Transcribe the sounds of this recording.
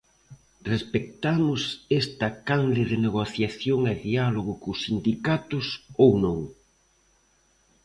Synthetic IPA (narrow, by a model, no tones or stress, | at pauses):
respek̚t̪amʊsest̪ɐkanðeðɪneɣoθjaθjoŋaðialoɣʊkʊsind̪ikat̪ʊsownõŋ